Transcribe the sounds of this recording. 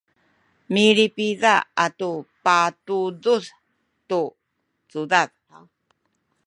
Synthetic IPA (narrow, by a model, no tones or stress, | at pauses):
miɾipizaatupatud͡zus | tu | t͡suðað | a